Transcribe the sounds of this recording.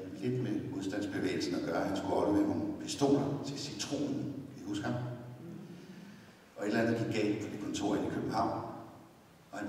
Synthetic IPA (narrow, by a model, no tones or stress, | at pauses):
nle̝d̥memuð̞ˠsd̥æn̰sb̥e̝ʋḛːɪl̩sn̩ɒ̽ɡ̥ɶɐhænsɡ̥uɒb̥əmehopʰisd̥o̝̰ːnɐt͡sʰe̝sit͡sʰʁo̝̰ːnn̩kʰhusɡ̥hæ | ʔɒ̽e̝d̥lænð̩ˠɡ̥iɡ̥̚ɡ̥ɛ̰ːl̥pʰɒ̽d̥ikʰɒ̽nt͡sʰo̝̰ːɐ̰ikʰøb̥m̩hɑ̈ʊ̰n | ɒ̽hæn